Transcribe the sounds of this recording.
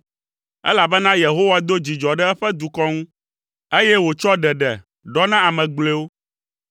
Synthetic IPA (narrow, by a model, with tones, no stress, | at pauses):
ɛ̰˦la˨bɛ˦nã˦je˨ɦo˦wa˦d̪o˦d͡ʑi˨d͡ʒɔ˨ɖɛ˦ɛ˦ɸɛ˦d̪u˨kɔ˦ŋũ˦ | e˦jɛ˦wo˨t͡ʃɔ˦ɖɛ˨ɖɛ˨ | ɖɔ˦nã˦a˨mɛ̃˨ɡ͡ble˦wo˦